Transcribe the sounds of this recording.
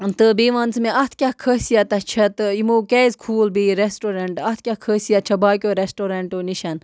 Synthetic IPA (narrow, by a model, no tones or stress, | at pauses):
t̪ɨbeːʋɐnt͡smẽʔɐt̪ʰkʲakʰəːsijat̪ɐt͡ʃʰɐt̪ɨimoːkɛːzkʰuːlbiɾesʈoːɾɐɳʈɐt̪̚ʰkʲakʰəːsijat͡ʃʰɐbaːkʲoːɾesʈoːɾɐɳʈoniʃɐn